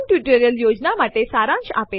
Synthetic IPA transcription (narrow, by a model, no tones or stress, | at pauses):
nʈjuʈəɾjəljod͡ʑnamaʈesaɾãnɕape